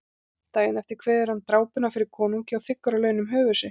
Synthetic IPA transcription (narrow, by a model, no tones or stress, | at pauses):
t̪aːjɪnɛft̪ɪɾ̥kʰvɛːðɛɾhant̪ɾaːwpʏnafɪɾɪɾ̥kʰɔːnuɲcɪawθɪkːaɾalœːɥnʏmɦœːvʏsɪ